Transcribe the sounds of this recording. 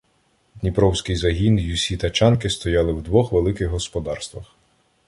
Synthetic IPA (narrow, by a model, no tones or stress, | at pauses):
d̪ʲnʲipɾɔwsʲkɪjzɐɦʲinjusʲit̪ɐt͡ʃɑnkɪst̪ɔjɑlˠɪwd̪ʋɔxʋelˠɪkɪɣɦɔspɔd̪ɑrst̪ʋɐx